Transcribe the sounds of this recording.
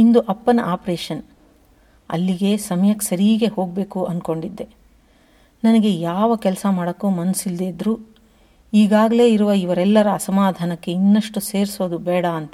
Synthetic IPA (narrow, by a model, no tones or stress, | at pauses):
ind̪uʔɐpːɐnɐʔaːpɾeːʃɐn | ɐ̰lːiɡe̞sɐmɐjɐkːsɐɾiːɡe̞ho̞ːɡ̚be̞ːkuʔɐnko̞ɳɖid̪ːe̞ | nɐnɐɡe̞jaːʋɐkɛlsɐmaːɽɐkːuːmɐnɐsild̪eːd̪ɾuː | iːɡaːɡɐle̞ːiɾuʋɐiʋɐɾɛlːɐɾɐːsɐmaːd̪ʱaːnɐkːe̞inːɐʂʈuse̞ːɾsoːd̪ubɛːɽɐːnt̪ɐ